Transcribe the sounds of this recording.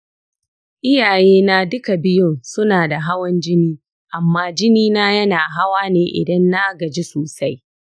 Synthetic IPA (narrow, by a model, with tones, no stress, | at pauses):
ʔɪ˦jaː˨jeː˦naː˦dʊ˦ka˨bɪ˦jʊ˦nsʊ˦naː˨da˨ɦa˦wɔ˦nd͡ʒɪ˦niː˦ | ʔa˨mːaː˦d͡ʒɪ˦niː˦naː˦jɐ˦naː˨ɦa˦waː˦neː˨ʔɪ̰˨dɐ˦nːa˦ɡɐ˨d͡ʒi˦soː˨sa˦j